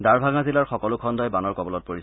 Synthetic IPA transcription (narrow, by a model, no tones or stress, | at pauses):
daɹbʱaŋazilaɹxɔkɔlʊkʰɔndɔjbanɔɹkɔbɔlɔt̚poɹis